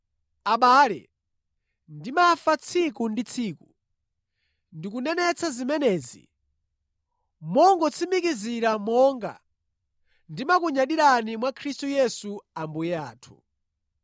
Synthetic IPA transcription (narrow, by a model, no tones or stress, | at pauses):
aɓaːlɛ̰ | ndimafat͡sʰikundit͡sʰiːku | ndik̬unɛnɛt͡sʰazimɛnɛːzḭ | mɔŋɡɔt͡sʰimikiziɾamɔŋɡa̰ | ndimak̬uɲaɗiɾanimwakʰɾistujɛsuambujɛa̰ːtʰu̥̰